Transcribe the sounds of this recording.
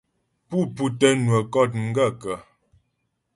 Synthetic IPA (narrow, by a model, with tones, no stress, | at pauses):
pu˦pu˦tɛ˦nwə˨kɔ˦˨t̚ŋ̩˦ɡə˦˨kə˨